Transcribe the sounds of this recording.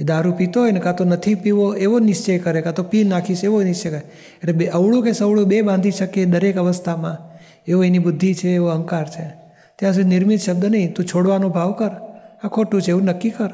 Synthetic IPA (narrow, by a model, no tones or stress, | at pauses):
ed̪aɾupit̪oɦjnekãt̪onət̪ʰipiʋoeʋonɪst͡ʃekəɾekat̪opinnakʰiʃeʋonɪst͡ʃekəɾe | eʈlebeʔəʋɭũkesəʋɭũbebãnd̪ʱiʃəked̪əɾekəʋəst̪ʰamã | eoenibʊd̪ʱːit͡ʃʰeːʋoəŋkaɾt͡ʃʰe | t̪jãsud̪ʱinɪɾmit̪ʃəb̚d̪ənəĩt̪ũt͡ʃʰoɽʋanobʱaʋkəɾakʰoʈũt͡ʃʰeʋũnəkːikəɾ